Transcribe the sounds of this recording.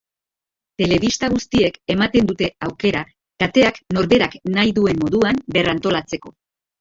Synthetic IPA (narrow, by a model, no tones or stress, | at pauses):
t̪e̞le̞βist̪aɣ̞ust̪ie̞ke̞mat̪e̞nd̪ut̪e̞awke̞ɾa | kat̪e̞akno̞ɾβe̞ɾaknajðue̞mːo̞ðuamberant̪o̞lat͡se̞ko̞